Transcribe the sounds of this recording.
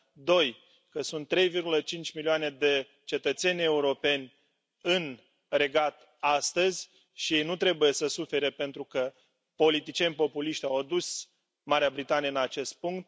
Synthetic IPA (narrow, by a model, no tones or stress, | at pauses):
d̪o̞j | kəsunt̪ːɾe̞jvirɡulət͡ʃint͡ʃʲmilioane̞d̪e̞ | t͡ʃe̞t̪ət̪se̞nʲe̞uɾo̞pe̞nʲ | ɨn | re̞ɡat̪ | ast̪əzʲ | ʃijejnut̪ɾe̞buje̞səsufe̞ɾepe̞nt̪ɾukə | po̞lit̪it͡ʃienʲpo̞puliʃt̪ʲawad̪us | maɾeabɾit̪anijəɨnat͡ʃe̞st̪̚puŋkt̪̚